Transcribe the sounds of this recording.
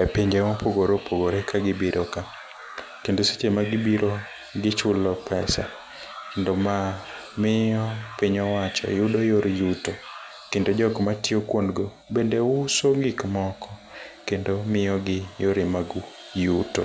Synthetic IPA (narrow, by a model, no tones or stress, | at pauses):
epiɲd͡ʒemɔpoɡoɾopoɡoɾekʰaɡɪbiɾʔoka | kendose̥t͡ʃemaɡɪbiɾo | ɡɪt͡ʃʊlɔpʰɛsa̰ | kendoma | mɪjɔpiɲɔwat͡ʃɔ̰judojoɾjuto | kendod͡ʒɔkmatɪokwondɡo | bendeusoɡɪkmɔkʰɔkendomɪjɔɡɪjoɾemaɡu | juto̰